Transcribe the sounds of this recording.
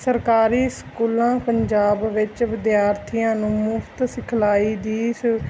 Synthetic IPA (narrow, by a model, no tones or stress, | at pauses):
səɾkaːɾiːskuːlãːpəɲd͡ʒaːbʋɪt͡ʃʋɪd̪jaːɾt̪ʰijãːnũːmʊfʰt̪sɪkʰlaːiːd̪iːs